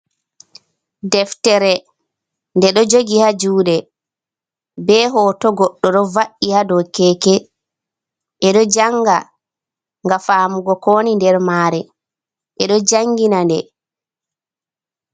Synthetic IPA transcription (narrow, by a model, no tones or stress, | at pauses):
dɛftɛɾɛ | ndɛɗɔd͡ʒoɡihad͡ʒuːɗɛ | bɛːɦɔtɔɡɔɗːɔɗɔvaʔihadɔkɛkɛ | ʔɛɗɔd͡ʒaŋɡa | ŋɡafaːmuɡɔkoːnindɛɾmaːɾɛ | ʔɛɗɔd͡ʒaŋɡinandɛ